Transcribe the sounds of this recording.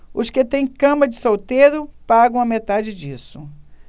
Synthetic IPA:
ʊskɪt̪ẽj̃kɐ̃mɐd͡ʒɪsowt̪eɾʊpaɡɐ̃w̃ɐmet̪ad͡ʒɪd͡ʒisʊ

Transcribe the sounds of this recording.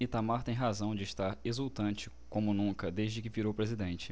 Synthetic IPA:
it̪amaɾt̪ẽj̃ɦazɐ̃w̃d͡ʒɪʃt̪aɾezuwt̪ɐ̃nt͡ʃɪ | kõmʊnũkɐd̪eʒd͡ʒɪkɪviɾowpɾezid̪ẽnt͡ʃɪ̥

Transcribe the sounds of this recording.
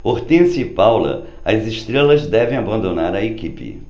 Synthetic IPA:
poɾt̪ẽsipawlɐ̰ | ɐziʃt̪ɾelɐzd̪ɛvẽj̃abɐ̃nd̪onaɾɐekipɪ̰

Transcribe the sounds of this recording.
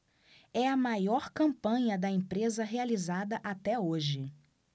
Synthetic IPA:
ɛɐmajɔɾkɐ̃mpɐ̃ɲɐd̪ɐẽpɾezɐɦealizad̪ɐʔat̪ɛoʒɪ

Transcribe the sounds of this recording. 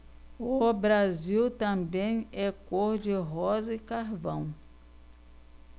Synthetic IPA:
ʊbɾaziwt̪ɐ̃bẽj̃ɛkoɾd͡ʒɪɦɔzɪkaɾvɐ̃w̃

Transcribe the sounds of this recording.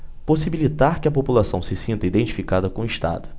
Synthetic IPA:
posibilit̪aɾkɪɐpopulasɐ̃w̃sɪsĩnt̪ɐid̪ẽnt͡ʃi̥fikad̪ɐkõiʃt̪a̰d̪ʊ

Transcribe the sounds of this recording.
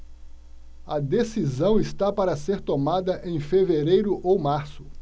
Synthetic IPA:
ɐd̪esizɐ̃w̃ɪst̪apaɾɐseɾt̪omad̪ɐʔẽj̃feveɾejɾʊʔowmaɾsʊ

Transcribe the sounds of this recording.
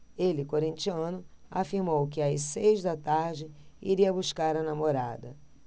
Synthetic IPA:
elɪkoɾĩnt͡ʃiɐ̃nʊafiɾmowkɪajsejzd̪ɐt̪aɾd͡ʒɪḭɾiɐbuskaɾɐnamoɾa̰d̪ɐ

